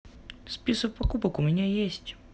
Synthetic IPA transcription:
sʲpʲisək̚pɐkupəkʊmʲɪnʲajesʲtʲ

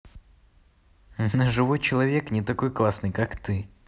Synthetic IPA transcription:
ʐɨvojt͡ɕɪlˠɐvʲeknʲɪt̪ɐko̞jklˠasnɨjkakt̪ɨ

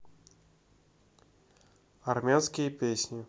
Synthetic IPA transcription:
ɐrmʲanskʲɪjəpʲesʲnʲɪ

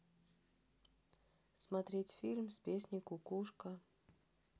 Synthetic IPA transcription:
smɐt̪ɾʲetʲfʲilʲmsʲpʲesʲnʲɪjkʊkuʂkə

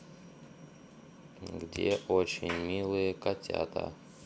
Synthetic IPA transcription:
ɡdʲeʔot͡ɕɪnʲmʲilˠɨjəkɐtʲa̰t̪ʰə̰

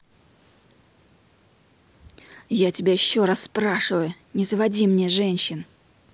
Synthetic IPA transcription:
jatʲɪbʲajɪɕːoɾasːpɾaʂɨvəjʊnʲɪzəvɐdʲimnʲeʐɛnʲɕːɪn

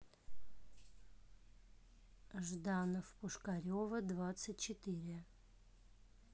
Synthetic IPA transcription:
ʐd̪anəfpʊʂkɐɾʲovəd̪vat̪sɨt̚ʲt͡ɕɪt̪ɨɾʲɪ

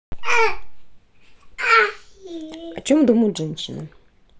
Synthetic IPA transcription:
ɐt͡ɕomd̪uməjʊt̪ʐɛnʲɕːɪnə̰

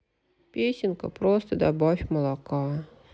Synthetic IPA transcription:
pʲesʲɪnkəpɾɔst̪əd̪abafʲməlˠakɑ

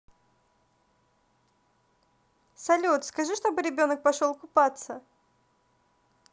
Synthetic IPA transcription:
sɐlʲut̪skɐʐɨʂt̪o̞bɨɾʲɪbʲo̞nək̚pɐʂolˠkʊpat̪sə

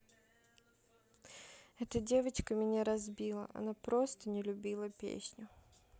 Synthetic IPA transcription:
ɛt̪ədʲe̞vət͡ɕkəmʲɪnʲaɾɐzbʲilˠə̰ʔɐ̰napɾo̞st̪ənʲɪlʲʊbʲilˠəpʲḛsʲnʲʊ

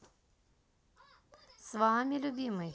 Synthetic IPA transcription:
sʋamʲilʲʊbʲimɨj

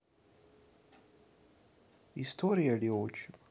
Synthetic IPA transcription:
ist̪ʰoɾijalioːt͡ʃu

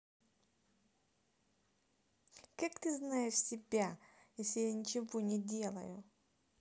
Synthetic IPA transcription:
kakt̪ɨznajɪʂsʲɪbʲajesʲlʲɪjanʲɪt͡ɕɪvonʲɪdʲelˠɐ̰jʊ

